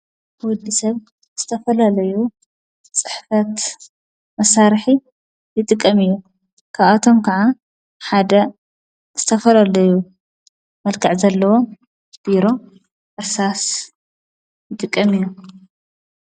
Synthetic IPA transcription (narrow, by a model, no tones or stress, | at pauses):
wɔd̪ːisɐβ | z̥ɨt̪ʰɐfɐlalɐju | t͡sʼt͡sʼɨ̥ħfɐt̪ | mɐsaɾħi | jɨt̪ʼɨkʼːɐmijːu | kʰaβat̪ʰo̞mkʰaʕa | ħad̪ɐ | z̥ɨt̪ʰɐfɐlalɐju | mɐlkʰɨʕzɐlːɐwo̞ | b̥iɾo̞ | ʔɨsas | jɨt̪ʼɨkʼːɐmijːu